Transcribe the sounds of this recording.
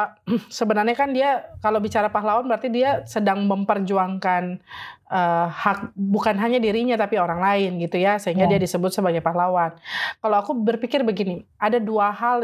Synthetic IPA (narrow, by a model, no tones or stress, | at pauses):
səbənarɲakandiakalawbit͡ʃaɾapaɦlawanbəɾart̪idiasədaŋməmpərd͡ʒuaŋkanʔəhak̚bukanɦaɲadiɾiɲat̪apioɾaŋlaɪnɡit̪ujasəɦiŋɡadiadisəbʊt̪səbaɡajpaɦlawankalawakubərpikɪrbəɡiniʔadaduaɦal